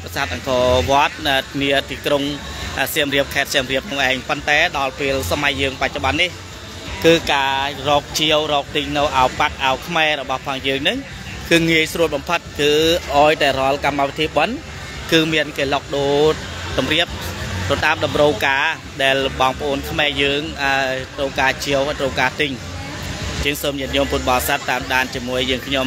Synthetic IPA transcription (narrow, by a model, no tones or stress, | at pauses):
kasaːt̪̚ʔɑŋkɔːʋŏət̪̚ʔəniət̪iːkruŋ | ʔəːsiəmriəp̚kʰaɛt̪̚siəmriəp̚nʰoŋʔaɛŋpont̪aɛɗɑlpeːəlsamajːəːŋpac̚t͡ɕoɓɑnːih | kɨːkaːrɔːk̚t͡ɕiəwrɔːk̚t̪ɨɲnɨwʔaɔjpak̪̚ʔaɔjkʰmaɛɾɔɓɑhpʰaːŋjəːŋnɨŋ | kɨːŋiəjsruət̪̚ɓɑmpʰɨt̪̚kɨːʔaɔjt̪aɛrŏəlkamːawʋiət̪ʰiəɓən | kɨːmiənkeːlok̚ɗoː | t̪umriəp̚t̪ot̪aːmɗɑmrəwkaː | ɗaɛlɓɑːŋpə̆ʔoːnkʰmaɛjəːŋʔaəjjt̪roːkaːt͡ɕiəwhat̪roːkaːt̪ɨɲ | jəːŋsoːmjət̪̚ɲʊ̆əmpun̚ɓɑsat̪ːaːmɗaːnt͡ɕiəmuəjːəːŋkʰɲom